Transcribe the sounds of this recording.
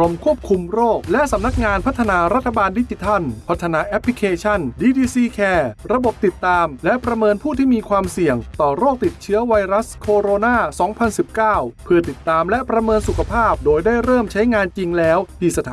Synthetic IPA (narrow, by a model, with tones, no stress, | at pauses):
o˧mkʰu˥˩əp̚kʰu˧mɾoː˥˩k̚lɛ˦˥ʔsa˨˩˦mna˦˥k̚ŋaː˧npʰa˦˥t̪ʰːa˧naː˧ɾa˦˥t̪ʰːa˧baː˧ndi˦˥t͡ɕi˧t̪ʰa˥˩npʰa˦˥t̪ʰːa˧naː˧ʔɛ˦˥pʰːli˦˥kʰeː˧t͡ɕʰa˥˩ndiː˧diː˧siː˧kʰɛː˧ɾa˧bo˨˩p̚t̪i˨˩t̪ːaː˧mlɛ˦˥ʔpɾa˧mɤː˧npʰuː˥˩t̪ʰiː˥˩miː˧kʰwaː˧msi˨˩əŋt̪ɔː˨˩ɾoː˥˩k̚t̪i˨˩t̪̚t͡ɕʰɯ˦˥ɐwa˧jɾa˦˥skʰoː˧ɾoː˧naː˥˩sɔː˩˦ŋpʰa˧nsi˨˩p̚kaː˥˩wpʰɯ˥˩ɐt̪i˨˩t̪ːaː˧mlɛ˦˥ʔpɾa˧mɤː˧nsu˨˩kʰa˧pʰaː˥˩p̚doː˧jdaː˥˩jɾɤː˥˩mt͡ɕʰa˦˥jŋaː˧nt͡ɕi˧ŋlɛː˦˥wt̪iː˧˩sa˧t̪ʰa˨˦